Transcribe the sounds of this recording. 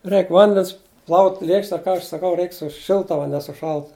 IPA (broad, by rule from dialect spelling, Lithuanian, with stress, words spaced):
ˈrʲɛɪk ˈʋɐnʲdʲɛns plˠɐʊtʲ ˈlʲeːkʃʲtʲɛ ˈkɐ ɐʃ sɐˈkɐʊ ˈrʲɛɪk sʊ ˈʃʲɪlˠtɐ ʋɐ nʲɛ sʊ ˈʃɐlˠtʊ